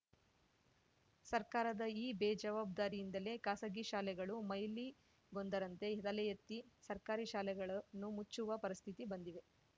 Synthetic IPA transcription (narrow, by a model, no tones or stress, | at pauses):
sɐɾkaːɾɐd̪ɐiːbeːd͡ʒɐʋaːb̚d̪aːɾijind̪ɐle̞ːkaːsɐɡiʃaːlɛɡɐɭumɐjli | ɡo̞nd̪ɐɾɐnt̪e̞ɦɛd̪ɐlɛjɐt̪ːisɐɾkaːɾiʃaːlɛɡɐɭɐnːumut͡ʃːuʋɐpɐɾist̪ʰit̪ibɐnd̪iʋe̞